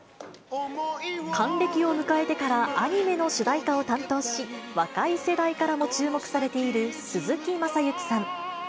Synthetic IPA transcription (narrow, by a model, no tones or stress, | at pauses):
kʰãnɾe̞kʲio̞mɯ̟kae̞t̪e̞kaɾaaɲ̟ime̞no̞ɕɨd̪aikao̞t̪ãnt̪o̞ːɕiβakaise̞d̪aikaɾamo̞t͡ɕɨːmo̞kɯ̥saɾe̞t̪e̞iɾɯ̟sɨzɨkʲimasajɯkʲi̥sãŋ